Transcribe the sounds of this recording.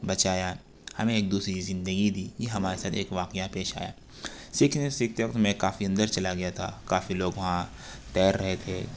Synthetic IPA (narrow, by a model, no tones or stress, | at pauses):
bɐt͡ʃaːja | hɐ̰mẽeːk̚d̪uːsɾiizɪ̃nd̪əɡid̪iːjeɦɐmaːɾesaːt̪ʰeːkʋaːqɪjapeːʃa̰ːja̰ː | sɪkʰnsɪk̚t̪jʊkt̪mẽkaːfiɐ̃nd̪əɾt͡ʃɐlaɡɐjat̪ʰa̰kaːfiloːɡʋɐɦã | t̪ɛːɾːɐɦet̪ʰeː